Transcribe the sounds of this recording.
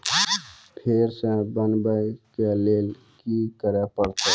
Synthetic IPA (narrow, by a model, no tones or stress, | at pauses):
pʰeɾsə̃bənbəjkelel | kikəɾepəɾt̪e